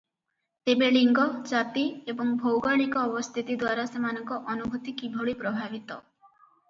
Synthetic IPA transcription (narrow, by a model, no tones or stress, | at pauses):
t̪ebeɭiŋɡɔd͡ʒat̪iebɔŋbʱowɡaɭikɔːbɔst̪ʰit̪id̪waɾasemanɔŋkɔʔɔnubʱut̪ikibʱɔɭipɾɔbʱabit̪ɔ